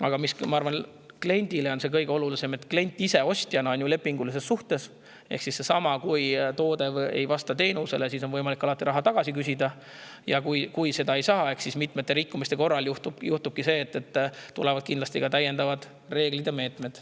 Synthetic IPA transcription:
ɑ̰ɡ̥ɑmismɑɑɾvɑn | kle̞nʲd̪̥ile̞o̞nse̞kɤjɡ̥eo̞lulise̞me̞t̪kle̞nʲt̪ˑːise̞o̞sʲt̪ʲjɑnɑonjule̞pːiŋɡ̥ulis̬e̞sːuht̪e̞s | ehksisːe̞sɑmɑkujt̪o̞ːd̪e̞vḛjvɑst̪ɑt̪e̞ːnuse̞lesiso̞nvɤjmɑlikːˑɑlɑt̪ːˑiɾɑɦɑt̪ɑɡ̥ɑsikysʲid̪ɑ | jɑkujkujse̞d̪ɑe̞jsɑːe̞hksismit̪ˑmet̪ːe̞ɾikːumist̪eko̞rːɑljuht̪ubjuht̪ub̥̚kise̞ːt̪ːe̞t̪ːt̪ːulevɑd̪̥kind̪lɑst̪iɡ̥ɑt̪æjːe̞nd̪ɑvɑd̪̥ | re̞ːɡ̥lid̪̥ɑme̞ːt̪ˑme̞d̪̥

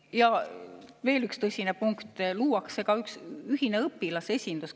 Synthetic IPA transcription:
jɑ | ve̞ːlykst̪ɤsʲinepuŋkt̪ˑluːwɑksːe̞ɡ̥ɑyksyɦine̞ɤpːilɑse̞sʲind̪̥us

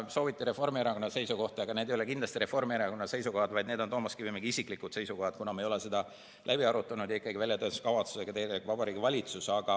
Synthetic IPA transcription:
so̞ːvit̪ːˑiɾe̞fo̞rmieɾɑko̞nːɑse̞jsuko̞ht̪ɑeɡ̥ɑned̪ejole̞kind̪lɑst̪iɾe̞fo̞rmieɾɑko̞nːɑse̞jsuko̞hɑd̪vɑjd̪ned̪ot̪o̞ːmɑskivijmeɡ̥iisikˑlikːˑud̥̪se̞jsuko̞hɑd̪̥̚kunɑmejo̞lese̞d̪̥ɑ | læb̥iɑɾut̪ːˑɑnud̪̥jɑikːˑɑɡivælʲjɑt̪øːnsskɑvɑt̪su̥seɡɑt̪ejekvɑbɑɾiːɡivɑlʲit̪susɑɡ̥ɑ

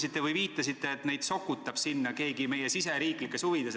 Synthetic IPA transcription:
sit̪ːˑe̞vɯjviːt̪ːˑɑsit̪ːe̞ːt̪ne̞jd̪̥so̞kːˑut̪ːˑɑb̥sinːɑke̞ːɡime̞jesise̞ɾiːklikːˑe̞shuvid̪̥e̞s

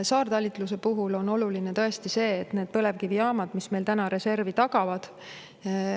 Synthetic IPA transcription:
sɑːrd̪ɑlʲit̪ˑlus̬e̞puɦulo̞no̞lulinet̪ɤ̞est̪ise̞ːt̪ne̞ːd̪̥̚pɤle̞vkiviɑːmɑd̪̥misme̞jlt̪ænɑɾe̞se̞rvit̪ɑɡ̥ɑvɑd̪̥

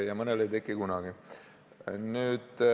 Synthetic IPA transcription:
jɑmɤnelejt̪ekːikunɑɡ̥i | nyːd̪̥

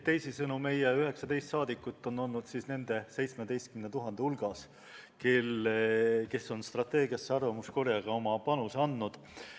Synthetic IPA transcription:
t̪ːe̞jsisɤnume̞jeyɦe̞ksɑd̪e̞jst̪sɑːd̪ikːˑut̪ːˑo̞nːo̞lnud̪̥siːsne̞nd̪̥e̞se̞jt̪sme̞d̪e̞jst̪kymnet̪uɦɑnd̪eulɡ̥ɑs | keleke̞sːo̞nst̪rɑt̪ːˑe̞ːɡiɑsːeɑrvɑmusko̞ɾjɑɡ̥ɑo̞mɑpɑnusɑnːud̪̥

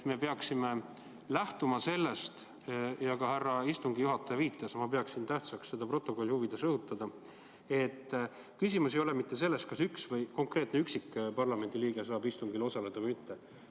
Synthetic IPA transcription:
t̪me̞pe̞ɑksime̞ | læht̪umɑse̞lːe̞st̪ | jɑkɑɦærːɑist̪uŋɡijuɦɑt̪ːˑɑjɑviːt̪ːˑɑsmɑpe̞ɑksint̪æht̪sɑksse̞d̪ɑpro̞t̪ːˑo̞ko̞lʲːihuvid̪̥e̞sɤhut̪ːˑɑd̪ɑ | e̞t̪ː | kysʲimusejo̞le̞mit̪ːe̞s̬e̞lːe̞st̪̚kɑsyksvɤjko̞ŋkre̞ːt̪ˑneyksikːˑpɑrlɑme̞nʲd̪̥iliːɡ̥e̞sɑːbist̪uŋɡ̥ilo̞sɑle̞d̪̥ɑvɤjmit̪ːe̞

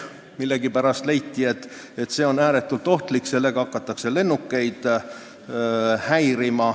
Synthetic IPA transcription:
milːe̞ɡipæɾɑst̪lejt̪ːˑie̞t̪ːˑ | e̞t̪ːˑse̞ːo̞næːɾe̞t̪ːˑult̪ˑo̞ht̪likːse̞lːe̞ɡ̥ɑɑkːˑɑt̪ːˑɑkse̞le̞nːukːe̞jd̪̥ | hæjɾimɑ

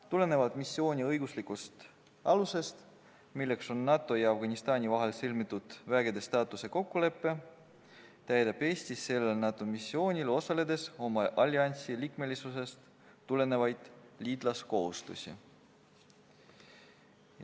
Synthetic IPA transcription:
t̪ule̞ne̞vɑt̪misːjo̞ːnʲiɤjɡuslikˑust̪ | ɑluse̞st̪ | milːe̞kso̞nːɑt̪ːˑo̞jɑɑfɡ̥ɑnʲist̪ɑːnʲivɑɦe̞lsilmit̪ˑːud̪̥væːɡed̪e̞st̪ɑːt̪ˑuse̞ko̞kːule̞pːe̞ | t̪æjd̪ɑb̥e̞ːsʲt̪isːe̞lːelnɑt̪ːˑo̞misːio̞ːnʲilo̞sɑle̞d̪e̞so̞mɑʔɑlʲːiɑnʲt̪silikme̞lʲisuse̞st̪ː | ule̞ne̞vɑjd̪̥liːd̪̥lɑsko̞hust̪ṵsʲḭ

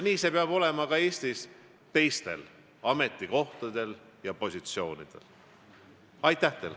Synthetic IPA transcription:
niːse̞peɑb̥o̞le̞mɑkɑe̞ːst̪is | t̪e̞jst̪e̞̰l | ɑme̞t̪ːˑiko̞ht̪ɑd̪̥e̞l | jɑpo̞sʲit̪sio̞ːnid̪̥e̞̰l | ɑjt̪ˑːæht̪el

